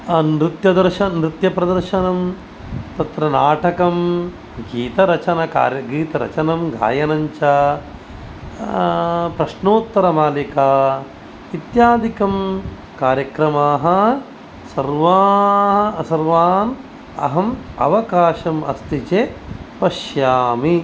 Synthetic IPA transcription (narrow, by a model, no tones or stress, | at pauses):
ɐnɾit̪jɐd̪ɐɾʃɐnɾit̪jɐpɾɐd̪ɐɾʃɐnɐm | t̪ɐt̪ɾɐnaːʈɐkɐm | ɡiːt̪ɐɾɐt͡ʃɐnɐka̰ːɾjɐɡiːt̪ɐɾɐ̰t͡ʃɐnɐmɡʱa̰ːjɐnɐɲt͡ʃɐ | pɾɐʃnoːt̪ːɐɾɐmaːlikaː | it̪jaːd̪ʱikɐm | kaːɾjɐkɾɐmaːɦɐ̆ | sɐɾʋaː | sɐɾʋaːn | ɐ̰ɦɐmɐ̰ʋɐkaːʃɐmɐ̰st̪it͡ʃeːpɐʃjaːmi